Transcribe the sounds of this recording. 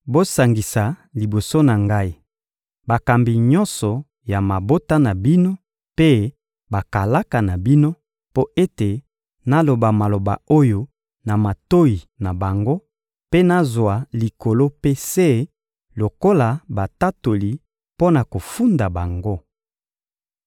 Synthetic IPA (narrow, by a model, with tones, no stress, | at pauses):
bo˦sa˨ŋɡi˨sa˨li˨bo˨so˦na˨ŋɡa˦i˦ | ba˨ka˨mbi˨ɲɔ˦nsɔ˨ | ja˨ma˨bo˦ta˦na˨bi˦no˦ | pe˦ | ba˨ka˨la˦ka˨na˨bi˦no˦ | po˦ʔe˦te˨ | na˦lo˨ba˨ma˨lo˨ba̰˨o˦jo˨ | na˨ma˨to˦i˨ | na˨ba˨ŋɡo˦ | pe˦na˦zwa˨li˨ko˨lo˦pe˦se˦ | lo˨ko˦la˨ba˨ta˦to˨li˨ | po˦na˨ko˨fu˦nda˨ba˨ŋɡo˦